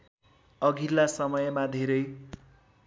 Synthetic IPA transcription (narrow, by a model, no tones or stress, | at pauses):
ʌɡʱilːasʌmʌjmad̪ʱeɾʌj